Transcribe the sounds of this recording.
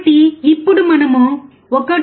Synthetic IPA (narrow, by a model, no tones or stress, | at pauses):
ʈiːpːuɽumɐnɐmu | ɔkːɐ